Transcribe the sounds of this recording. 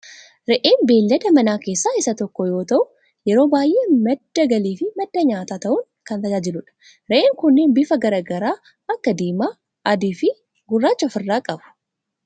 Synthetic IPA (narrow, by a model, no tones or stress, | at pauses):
ɾɛʔeːnbe̞ːlːɐd̪ɐmɐnaːke̞ːsːaːɪsɐt̪ɔkːɔjo̞ːt̪ɐʔʊ | jɛɾo̞ːbaːjʔe̞ːmɐd̪̥ːɐɡɐliːfɪmɐd̪ːɐɲaːt̪aːt̪ɐʔʊŋ | kɐnt̪ɐd͡ʒaːd͡ʒɪlʊᶑɐ̥ | ɾɛʔeːŋkʊnːeːnbɪfɐɡɐɾɐɡɐɾaː | ɐkːɐd̪iːmaː | ʔɐd̪iːfɪ | ɡʊrːaːt͡ʃːɐfɪrːaːkʼɐbʊ̥